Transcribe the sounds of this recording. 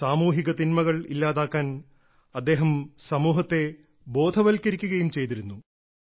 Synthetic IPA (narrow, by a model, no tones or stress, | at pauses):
saːmuːɦiɣɐt̪inmɐɣɐɭilːaːðaːkːaːn | ɐd̪ːe̞ːɦɐmsɐmuːɦɐt̪ːe̞ | bo̞ːd̪ʱɐʋɐlkːɐɾikʲːuɣɐjumt͡ɕe̞jt̪iɾunːu